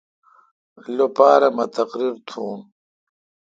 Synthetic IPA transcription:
lopaːɾɐmɐt̪ɐqɾiɾt̪ʰuːn

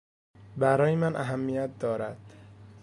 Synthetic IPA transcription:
bæɾɒːjemænʔæɦæmːijæt̪̚d̪ɒːɾæd̪̥

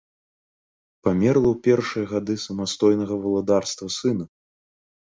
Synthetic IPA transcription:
pamʲɛrlˠɐwpʲɛrʂɨjɐɣad̪ɨsɐmast̪ɔjnɐɣɐvɐlˠad̪arst̪vɐsɨnɐ

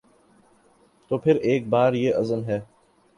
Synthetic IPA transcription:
t̪oːpʰɪɾeːk̚baːɾjeːʔɐzəmɦɛː

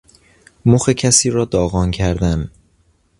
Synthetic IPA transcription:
moxecʰæsiːɾɒːd̪ɒːɣɒːncʰæɾd̪æn

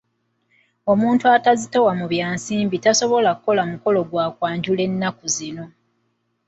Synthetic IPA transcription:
o̞muːntuatazitewamuβjaːnsiːmbitaso̞βo̞lakuko̞lamuko̞lo̞ɡwaːkwaːɲɟule̞nːakuzino̞

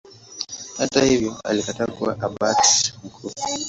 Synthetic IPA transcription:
hatahivjɔa̰likataːkuwaʔabaksm̩kɾu

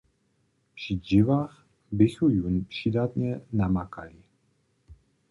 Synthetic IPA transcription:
pr̥ɪd͡ʒɪvaːx | bɪxujunpr̝̥ɪdat̪ɲɛnamaka̰lɪ

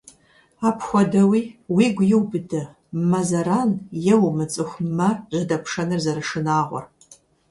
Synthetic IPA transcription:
aːpʰxʷɔdɐwiːwiːɡʷjɪwbɨdɐ | mɐzɐɾaːnjɛwmɨt͡sʼɨxʷmɐʒɪdɐpʰʂɐnɨrzɐɾɨʂɨnaːʁʷɔ̰r

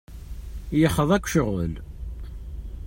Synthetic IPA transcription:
jəχəðˤækʷːʃəʁə̰l

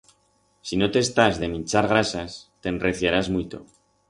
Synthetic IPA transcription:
sino̞t̪est̪azðe̞mĩnt͡ʃaɾɣ̞ɾasast̪e̞nre̞θjaɾazmwit̪o̞̰

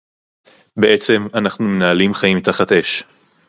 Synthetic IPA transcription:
beʔet͡se̞manaχnume̞naːlimχaimt̪aχat̪e̞ʃ

